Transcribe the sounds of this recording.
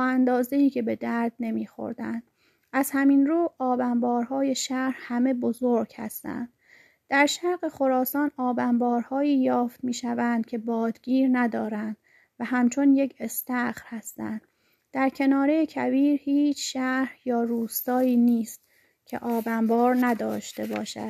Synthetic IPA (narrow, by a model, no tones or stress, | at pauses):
ænd̪ɒːzeiːcʰe̞be̞d̪æɾd̪̥̚ne̞miːxo̞̰ɾd̪ænd̪̥̚ | ʔæz̥hæminɾuːɒːbæmbɒːɾhɒːje̞ʃæɾhæme̞bo̞zoɾɡ̥hæ̰st̪æ̰nd̪̥ | d̪̥æɾʃæɾɣe̞xo̞ɾɒːsɒːnɒːbæmbɒːɾhɒːiːjɒːft̪miːʃævænd̪̥̚cʰe̞bɒːd̪ɡiːɾnæd̪ɒːɾænd̪̥ | væɦæmt͡ʃʰo̞nje̞cʰe̞st̪æxɾhæst̪ænd̪̥ | d̪̥æɾcʰe̞nɒːɾejecʰæviːɾhiːt͡ʃʰʃæhjɒːɾuːst̪ɒːiːniːst̪ | cʰe̞̰ʔɒːbæmbɒːɾnæd̪ɒːʃt̪e̞bɒːʃæ̰d̪̥